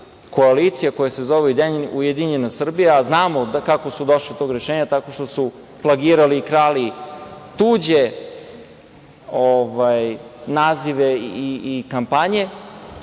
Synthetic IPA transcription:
ko̞alit̪sijakojasezo̞ʋeud̪eujed̪iɲenasr̩bijaːznaːmod̪akako̞sud̪oʃlit̪o̞ːɡɾe̞ʃeːɲat̪ako̞ʃt̪osu | plaɡiːɾaliːkɾaːlit̪uːd͡ʑe | ovajnaːziʋeiikampaɲe̞

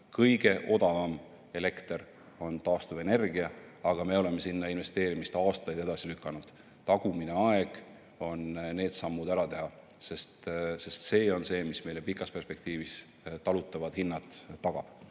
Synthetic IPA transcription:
kɤjɡ̥e̞ʔo̞d̪̥ɑvɑm | e̞le̞kt̪eɾ | o̞nt̪ɑːst̪uve̞ne̞rɡ̥iɑɑɡ̥ɑme̞o̞le̞me̞sinːɑinve̞st̪e̞ːɾimist̪ɑːst̪ɑjd̥̪e̞d̪̥ɑsilykˑːɑnud̪̥ | t̪ɑɡ̥umineɑe̞ɡ̥ | o̞nne̞ːd̪̥sɑmːud̪æɾɑt̪e̞ɦɑ | se̞st̪se̞st̪se̞ːo̞nse̞ːmisme̞jle̞pikˑːɑspe̞rspe̞k̚t̪iːvis | t̪ɑlut̪ːˑɑvɑd̪̥hinːɑt̪ːɑɡ̥ɑ̰b̥

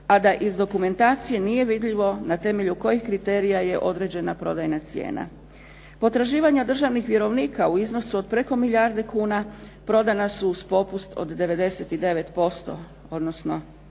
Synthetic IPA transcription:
ad̪aʔizd̪o̞kume̞nt̪aːt̪sije̞nije̞ʋid̪ʎiʋo̞nat̪e̞me̞ʎuko̞jixkɾit̪eːɾijaje̞ʔo̞d̪ɾed͡ʑe̞napɾo̞d̪ajnat̪sijḛːna̰ | po̞t̪ɾaʒiːʋaɲad̪r̩ʒaʋnixʋje̞ɾo̞ʋniːkauizno̞suod̪̚pɾe̞ko̞miʎaɾd̪e̞kuːna | pɾo̞d̪anasuːspo̞pust̪o̰d̪ːe̞ʋe̞d̪e̞se̞t̪id̪e̞ʋe̞t̪po̞st̪o̞̰ | o̞d̪no̞sno̞

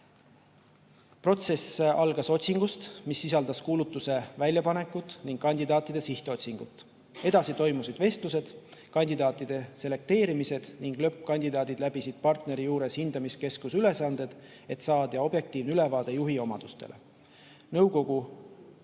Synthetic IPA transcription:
pro̞t̪se̞sɑlɡ̥ɑso̞t̪ʲsiŋɡ̥ust̪misːisɑld̪̥ɑskuːlut̪ˑːuse̞vælʲjɑpɑne̞kːˑut̪ːˑniŋɡ̥kɑnʲd̪̥id̪ɑːt̪ːˑid̪̥e̞siht̪eo̞t̪ʲsiŋɡ̥ut̪ːˑ | e̞d̪̥ɑsit̪o̞jmusid̪̥ve̞st̪luse̞d̪̥kɑnʲd̪id̪ɑːt̪ːˑid̪̥e̞se̞le̞k̚t̪e̞ːɾimise̞d̪̥niŋɡ̥lø̞pːˑkɑnʲd̪̥id̪ɑːd̪id̪̥læbisid̪̥̚pɑrt̪ne̞ɾijuːɾe̞shind̪̥ɑmiske̞skusyle̞sɑnd̪̥e̞d̪̥ | e̞t̪sɑːd̪̥ɑo̞b̥je̞k̚t̪iːvnylevɑːd̪̥ejuɦio̞mɑd̪̥ust̪e̞̰lʔe̞̰ | nɤwko̞ɡ̥u

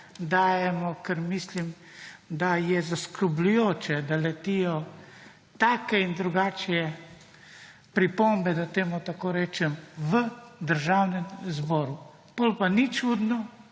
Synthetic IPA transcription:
d̪aːjɛmɔkəɾmislim | d̪ajɛzaskɾɔblʲujoːt͡ʃɛd̪alɛt̪ijɔ | t̪aːkɛind̪ɾuɡaːt͡ʃjɛ | pɾipombɛd̪at̪eːmut̪akoːɾɛːt͡ʃɛmʋəd̪əɾʒaːwnɛmzbɔːɾu | pɔlpanit͡ʃud̪nɔ

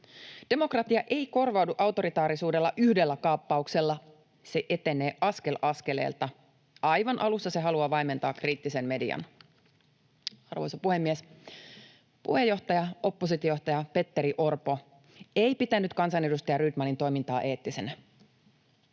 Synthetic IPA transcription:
d̥e̞mo̞krɑt̪iɑʔe̞iko̞rʋɑwduʔɑwt̪o̞ɾit̪ɑːɾisuːde̞lːɑʔyhdelːækɑːpːɑukse̞lːɑ | se̞ʔe̞t̪e̞ne̞ːʔɑske̞lʔɑske̞lḛːlt̪ɑ | ɑjʋɑnʔɑlusːɑse̞ɦɑluɑʋɑjme̞nt̪ɑːkriːt̪ːise̞mme̞dḭɑ̰n | ɑ̰rʋojsopuhe̞mːies | pṵhe̞jːo̞ht̪ɑjɑo̞pːosit̪jojoht̪ɑjɑpe̞t̪ːeɾiʔo̞rpo̞ | ejpit̪ænːyt̪kɑnsɑne̞dust̪ɑjɑryt̪mɑnint̪o̞jmint̪ɑːʔeːt̪ːise̞næ

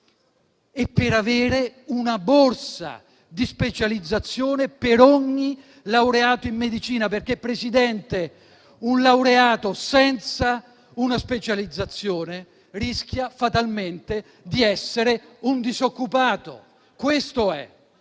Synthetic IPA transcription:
epːeɾaveːɾeunaborsa̰ | d̪ispet͡ʃalid̪zːat̪sːjoːnepeɾɔɲːi | lawɾeaːt̪oimːed̪it͡ʃiːnaperk̟epːɾesid̪ɛnt̪e | unlawɾeaːt̪osɛnt̪sa | unaspet͡ʃalid̪zːat̪sːjoːne | risk̟jafat̪alment̪e | d̪iɛsːeɾeund̪izokːupaːt̪o̰ | kwest̪oɛ̰

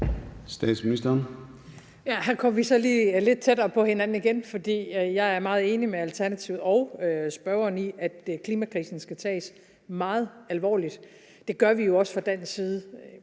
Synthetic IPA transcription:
sd̥ɛ̰ːd̥sminisd̥ɐːn | jæɦæɐkʰɒ̽m̰ɐʋisɒ̽liːle̝d̥̚t͡sʰed̥ɐːpʰɒ̽he̝nænn̩iɡ̥enfɒ̽d̥ḭːjɑ̈ɪæɐmɑ̈ːð̞̩ˠe̝ːnimeælt͡sʰæɐnæt͡sʰiʊð̩ˠɒ̽ʊøsb̥ɶɐɐniʔæd̥kʰliːmækʰʁḭːsn̩sɡ̥æt͡sʰɛ̰ːs | mɑ̈ːð̞̩ˠælʋɒ̰ːlid̥ | d̥e̝ɡ̥ɶɐʋijo̝ɒ̽sfʁɑ̈d̥æn̰siːð̞ˠə

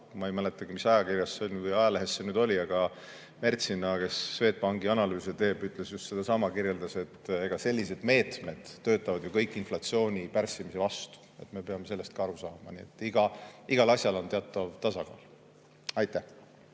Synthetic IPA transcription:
mɑejmæle̞t̪ːˑɑɡimisɑjɑkirjɑsːeolʲvɯjɑjɑleɦesːenyːd̪̥o̞lʲiɑɡ̥ɑ | me̞rt̪sinɑke̞sːve̞ːt̪̚pɑŋɡ̥iɑnɑlyːset̪e̞ːb̥yt̪ːˑle̞sjust̪se̞d̪ɑsɑmɑkirje̞ld̪̥ɑse̞t̪ːe̞ɡ̥ɑse̞lʲːis̬e̞d̪̥me̞ːt̪me̞d̪̥ːø̞ːt̪ˑːɑvɑd̪̥jokɤjkːˑinflɑt̪sio̞ːnʲipærsːimise̞vɑst̪u̥e̞̰t̪ːˑme̞peɑme̞se̞lːe̞st̪̚kɑɑɾusɑːmɑ̰niet̪ˑːiɡ̥ɑiɡ̥ɑlɑsʲjɑlo̞nt̪eɑt̪ːˑɑvt̪ɑsɑkɑ̰ːl | ɑjt̪ːˑæh

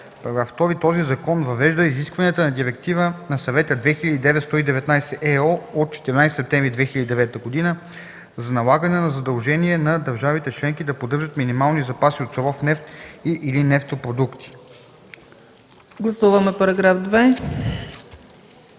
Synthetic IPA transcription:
pɐɾɐɡɾaft̪ɔɾit̪ɔzizɐkɔnvɐvɛʒd̪əiziskvɐniət̪ənɐd̪iɾɛk̚t̪ivənɐsɐvɛt̪əd̪vɛxilʲəd̪id̪ɛvɛt̪st̪ɔid̪ɛvɛt̪najsɛʔɛɔot̪̚t͡ʃɛ̥t̪ɛɾinajsɛ̥sɛp̚t̪ɛmvɾid̪vɛxilʲəd̪id̪ɛvɛt̪əɡod̪inə | zɐnɐlˠaɡənɛnɐzɐd̪ɐlˠʒɛniɛnɐd̪əɾʒavit̪ɛt͡ʃlɛŋkid̪ɐpod̪ɤɾʒət̪minimalˠnizɐpasiot̪soɾɔfnɛft̪iʔilinɛft̪opɾod̪ukt̪i̥ | ɡlˠɐsuvəmɛpɐɾɐɡɾafd̪vɛ

